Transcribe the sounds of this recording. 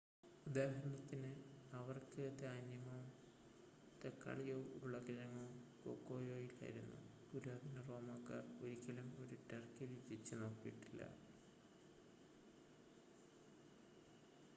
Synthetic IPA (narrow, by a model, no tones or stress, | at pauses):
ud̪aːhɐɾɐɳɐt̪ːinɨɐʋɐrkɨd̪aːnjɐmɐm | t̪ekːa̰ːɭijoːuɭːɐɡɐnɐŋːɐːumko̰ːkːo̞ːjo̞ːjila̰ːjḭɾunːṵt̪uɾaːd̪ʱinɐro̞ːmaːkːa̰ːro̞ɾikːɐlɐmo̞ɾuʈerkɐɾit͡ɕːit͡ɕːɨno̞ːkːijːiʈːilːɐ̰